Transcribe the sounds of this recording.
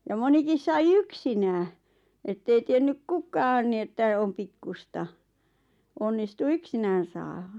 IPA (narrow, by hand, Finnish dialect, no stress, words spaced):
jɑ monikis sɑi yksinæː etːei tienːyk kukɑːn ni etːæ om pikːustɑ onːistu yksinæːn̞ sɑːhɑ